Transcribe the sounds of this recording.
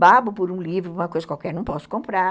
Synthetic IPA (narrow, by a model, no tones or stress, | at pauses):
babʊpʊɾũlivɾʊũmɐkojzɐkwawkɛɾnɐ̃w̃pɔsʊ̥kõmpɾa